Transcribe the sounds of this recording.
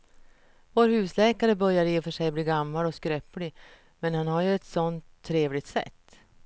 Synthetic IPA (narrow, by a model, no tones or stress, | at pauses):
voːɾhʉ̟ːslɛːkaɾəbœɾjaɾfœʂɛjbliːɡamːalɔskɾɛplɪ | mɛnhanhaɾjɵɛt̪sɔnt̪ʰːɾeːvlɪɡt̪sɛ̰t̪ː